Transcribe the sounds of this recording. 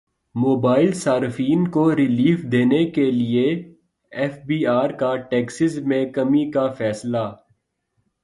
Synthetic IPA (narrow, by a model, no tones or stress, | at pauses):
moːbaːɪlsaːɾfiːnkoɾɪliːfd̪eːnekelie | ɛfbiːaːɾkaʈeːksɪzmẽkɐmikafɛːsla